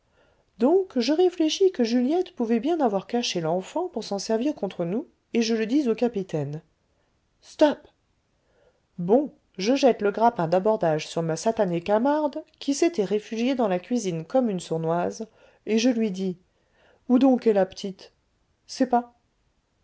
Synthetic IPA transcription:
d̪ɔ̃kʒəʁefleʃikəʒyljɛt̪puvɛbjɛ̃navwaʁkaʃelɑ̃fɑ̃puʁsɑ̃sɛʁviʁkɔ̃t̪χənu | eʒələd̪izokapit̪ɛn | st̪ɔp | bɔ̃ | ʒəʒɛt̪ləɡʁapɛ̃d̪abɔʁd̪aʒsyʁmasat̪anekamaʁd̪kʲʰiset̪ɛʁefyʒjed̪ɑ̃lakʲɥizinkɔmynsuʁnwaz | eʒəlɥid̪i | ud̪ɔ̃kɛlapə̥t̪ʰit̪ | sɛpa

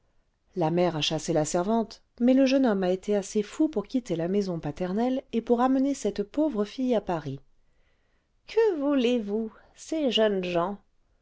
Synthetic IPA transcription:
lamɛʁaʃaselasɛʁvɑ̃t̪ | mɛləʒənɔmaet̪ʰeasefupuʁkʲit̪elamɛzɔ̃pat̪ɛʁnɛlepuʁamənesɛt̪povʁəfijapaʁi | kʰəvulevu | seʒənʒɑ̃

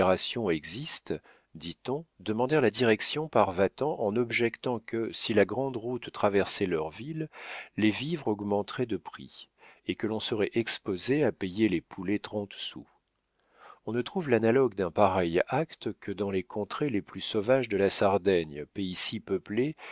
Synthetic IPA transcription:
ʁasjɔ̃ɛɡzist̪ | d̪it̪ɔ̃d̪əmɑ̃d̪ɛʁlad̪iʁɛksjɔ̃paʁvat̪ɑ̃ʔɑ̃nɔbʒɛkt̪ɑ̃kəsilaɡʁɑ̃d̪ʁut̪ːχavɛʁsɛlœʁvillevivʁɔɡmɑ̃t̪ʁɛd̪əpχḭekəlɔ̃səʁɛʔɛkspozeapejelepʰulet̪χɑ̃t̪sṵ | ɔ̃nət̪χuvlanalɔɡd̪ɛ̃paʁɛjakt̪kʰəd̪ɑ̃lekʰɔ̃t̪χeleplysovaʒd̪əlasaʁd̪ɛɲpeisipəple

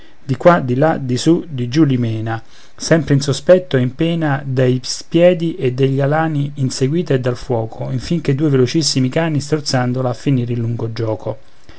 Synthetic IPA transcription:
d̪ikːwad̪ilad̪isud̪id͡ʒulimɛːna | sɛmpɾeinsospɛt̪ːoimpɛːnad̪ajspjɛːd̪iʔed̪ːeʎːalaːniːnseɡwiːt̪eed̪ːalfwɔːkʰoiɱfiŋk̟ed̪ːuːevelot͡ʃisːimikaːnːist̪ort̪sand̪olaːfːiniːɾilːuŋɡod͡ʒɔːkʰo

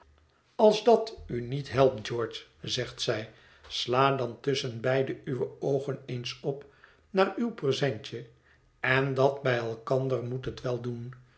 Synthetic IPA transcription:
ɑlˠzdɑtynitɦɛlˠp̚d͡ʒɔɹt͡ʃzɛχt̪sɛj | slaːdɑntʏsənbɛjdəyʋəowχənejnsɔp | naːɹywprəzɛɲt͡ʃə | ɛndɑtbɛjɛlˠkɑndərmutɦətʋɛlˠdun

